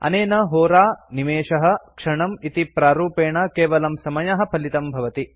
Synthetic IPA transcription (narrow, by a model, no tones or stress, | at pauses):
ɐ̰neːnɐɦoːɾaːnimeːʂɐɦɐ̆kʂɐɳɐmit̪ipɾaːɾuːpeːɳɐkeːʋɐlɐmsɐmɐjɐɦɐ̆pʰɐlit̪ɐmbʱɐʋɐt̪i